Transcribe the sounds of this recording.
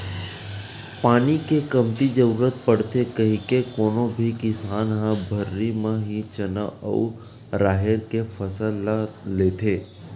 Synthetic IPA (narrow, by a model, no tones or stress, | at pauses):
paːnikekəmt̪id͡ʒəɾuːɾət̪̚pəɽt̪ekəɦĩkekoːnõbʱikɪsaːnɦə̃bʱəɾːimẽɦit͡ʃənəə̰u | ɾaːɦeɾkefʰəsəlleːt̪ʰeː